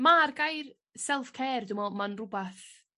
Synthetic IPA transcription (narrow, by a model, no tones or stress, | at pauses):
marɡajr | sɛlˠfkʰɛːrdʊmɔmanrʊbaθ